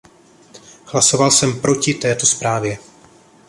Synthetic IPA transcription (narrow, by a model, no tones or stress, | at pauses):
hlaso̞valsɛmpɾo̞cɪt̪ɛːt̪o̞spɾaːvjɛ